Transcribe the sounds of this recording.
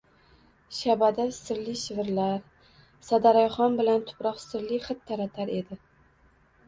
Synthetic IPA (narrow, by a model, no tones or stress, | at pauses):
ʃabad̪asɪɾlɪʃɪvɪɾlaɾ | sad̪aɾajχɒnbɪlant̪ʰʊ̥pɾɒqsɪɾlɪχɨt̪ʰːaɾat̪ʰaɾe̞d̪ɪ